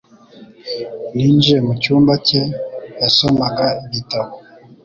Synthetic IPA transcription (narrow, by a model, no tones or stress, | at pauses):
nind͡ʒɛmut͡ʃumbacɛjasɔmakaeβitawo